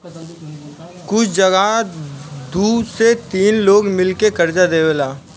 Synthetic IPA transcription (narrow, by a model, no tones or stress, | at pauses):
kʊt͡ʃʰd͡ʒɐɡa | d̪uːset̪iːnloːɡmɪlkekɐɾd͡ʒad̪eːwelaː